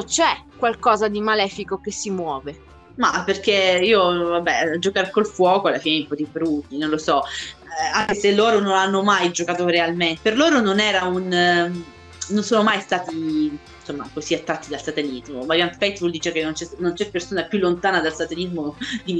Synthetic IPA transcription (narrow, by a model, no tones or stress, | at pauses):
t͡ʃɛkwalkɔːzad̪imalɛːfikokesimwɔːve | maperk̟eiːovabːɛd͡ʒokaɾkolfwɔːkoalːafiːneumpɔd̪ibɾut̪ːinõnlosɔ | aŋkeselːoːɾononanːomajd͡ʒokaːt̪oɾealment̪perloːɾononɛːɾaun | nonsoːnomajst̪aːt̪i | nsomːa̰kosiat̪ːɾat̪ːid̪alsat̪alizmovabjanpɛjt̪buld̪iːt͡ʃeakenːont͡ʃɛnont͡ʃɛpːersoːnapjulːont̪aːnad̪alsat̪elizmod̪i